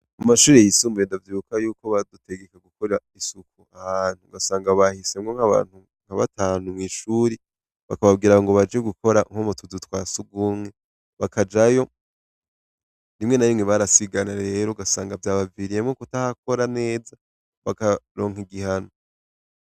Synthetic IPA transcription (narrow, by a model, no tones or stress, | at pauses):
amaʃuːɾejisuːmbuɾendavjiːβukʰajuːko̞βadute̞ɡe̞kaɡukoɾeɾaisukuahaːn̥huɡasaːŋɡaβahise̞mŋoŋ̥haβa̰ːn̥u | ŋ̥aβa̰tʰaːn̥humŋiːʃuːɾi | βakaβab̚ɡiːɾaŋɡoβad͡ʒeɡuko̞ɾaŋ̥homutʰudutwaːsuɡuːmŋe̞ | βakʰad͡ʒajo̞ | ndimŋe̞najimŋeβaɾasiɡanaɾeɾoɡasaːŋɡavjaːβaviɾijemŋokutahako̞ɾane̞ːza | βakaɾo̞ːŋ̥iɡihano